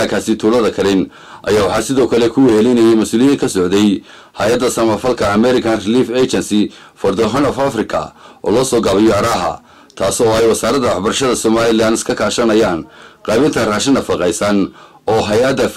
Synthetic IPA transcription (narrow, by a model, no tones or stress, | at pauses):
aːkʰaːsɪt̪ʰuːlɐðɐkʰɐlɪn | ʔɐ̰jaːwɑħɑːsɪðɔːkʰɐlɛkʰʊhɛlinɐjɛjmɐsuːlɪjɐŋkʰɐsɔʕd̪ɛj | hɐjɐd̪ːɐsɐmɐfɐlkʰɐːmɛɾɪkʰɐnrɪliːfɛt͡ʃɛnsɪ | fɐrd̪ɔɦɐnɔfɐfrɪkʰɐ̰ʔɔ̰ːlɔːsɔːɡɐβɛjɔɐɾaːɦɐ̰ | t̪ʰaːsɔːɛjwɐsaːɾɐd̪ɐwɑħbɐrʃɐðɐsɔmaːlɪlaːnɪskʰɐkʰaːʃɐnɐjaːnqɑːβɪnt̪ʰɐraːʃɪnːɐfɐqɛjsɐn | ɔːɦɐjɐd̪ːɐ